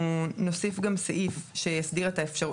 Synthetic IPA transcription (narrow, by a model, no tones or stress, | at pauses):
no̞sifɡamseʔifʃejasdiʁetaefʃau